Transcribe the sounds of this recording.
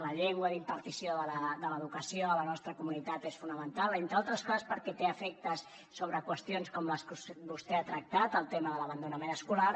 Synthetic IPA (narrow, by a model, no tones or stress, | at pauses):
ləʎɛŋɡwəðimpəɾt̪isijoðələd̪ələðukəsioələnɔst̪ɾəkumunit̪at̪esfunəmənt̪alˠent̪ɾalˠt̪ɾəskɔzəspəɾkɛt̪eəfɛk̚t̪əsː | oβɾəkwəst̪ionskɔmləskusbust̪ɛat̪ɾək̚t̪at̪əlˠt̪eməðələβ̞ənd̪unəmenəskulaɾ